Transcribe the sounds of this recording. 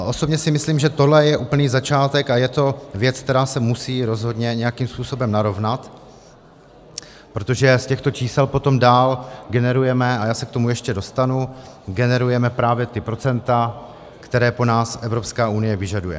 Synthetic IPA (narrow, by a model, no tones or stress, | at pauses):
ʔo̞so̞bɲɛsɪmɪsliːmʒɛt̪odlɛjɛʔuːpl̩niːzat͡ʃaːt̪ɛkajɛt̪o̞vjɛt͡sk̚t̪ɛɾaːsɛmusiːɾo̞zɦo̞dɲɛɲɛjakiːmspuːso̞bɛmnaɾo̞vnat̪ | pɾo̞t̪oʒɛscɛxt̪o̞t͡ʃiːsɛlpo̞t̪o̞mdaːlɡɛnɛɾujɛmɛajaːsɛk̚t̪o̞mujɛʃcɛdo̞st̪anuɡɛnɛɾujɛmɛpɾaːvjɛt̪ɪpɾo̞t͡sɛnt̪a | kt̪ɛɾɛːpo̞naːsʔɛvɾo̞pskaːʔunɪjɛvɪʒadujɛ̰